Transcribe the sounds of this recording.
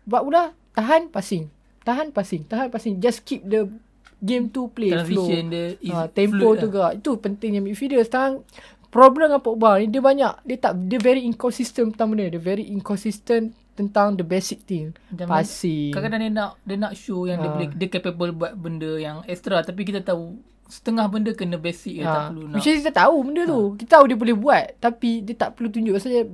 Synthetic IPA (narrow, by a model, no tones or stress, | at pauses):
baʔpulat̪aɦanpasɪŋ | t̪aɦanpasɪŋt̪aɦanpasɪŋd͡ʒaskip̚də | ɡẽmt̪upleanfoəndəat̪ɛ̃mpouɡaʔit̪upənt̪ĩŋamifidəst̪aɦan | pɾɔbləmampoʔbanĩdiəbaɲaʔdiət̪aʔdəvɛɾiiŋkɔnsist̪əmpət̪aŋməndədəvɛɾiʔiŋkɔnsist̪ən | t̪ənt̪aŋdəbɛsik̚t̪iŋampasikakadaŋdiənaʔdənaʔʃujaŋdiəbolɛdiəkɛpebəlbuat̪̚bəndəjaŋɛkst̪ɾat̪ap̬ik̬it̪at̪au | sə̥t̪əŋahbəndəkənəbɛsik̚taaəlunit͡ʃaskit̪at̪aubəndət̪ukit̪at̪audiəbolɛhbuat̪̚t̪ːapidiət̪aʔpəlut̪̬uɲd͡ʒuʔbasaɲə